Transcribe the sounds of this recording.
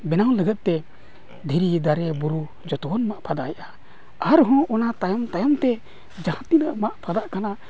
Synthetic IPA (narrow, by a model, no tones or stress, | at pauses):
bɛnawləɡət̪̚t̪ɛ | d̪ʱiɾid̪aɾɛbuɾu | d͡ʒɔt̪ɔɔnmaʔpʰad̪ajaʔa | aɾɦɔ̃ʔɔnat̪ajɔmt̪ajɔmt̪ɛ | d͡ʒahãt̪inəʔmaʔpʰad̪aʔkana